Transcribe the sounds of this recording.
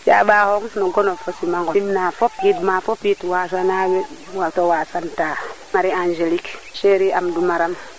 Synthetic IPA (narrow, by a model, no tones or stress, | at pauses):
jaɓaːhoŋnuɡɔnofosimaŋɡɔimnafopitmafopitwasanawewatowaːsanta | maɾiand͡ʒelikʃeɾiʔamdumaɾam